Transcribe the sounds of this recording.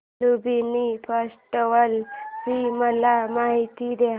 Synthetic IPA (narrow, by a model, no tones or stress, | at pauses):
lubinipʰasʈəʋəlbiməlamaɦit̪id̪eɦ